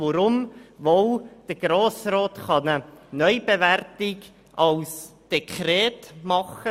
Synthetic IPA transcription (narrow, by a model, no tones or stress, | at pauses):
oɾʊmvowd̥əɡ̥ɾoːsroːtχɑnənœʏbevɛrtɪɡ | ʔɑlsd̥ekʰɾeːtmɑχə